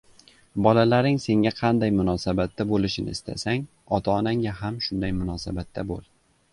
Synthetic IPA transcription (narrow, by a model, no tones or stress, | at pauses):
bɒlalaɾɪŋse̞ŋʲaqʰɑnd̪ajmʊnɒsabat̪ːabolɪʃɪnɪ̰ɪst̪ʰa̰saŋ | ɒt̪ʰaːnaŋʲaɦamʃʊnd̪ajmʊnɒsabat̪ʰːabolˠ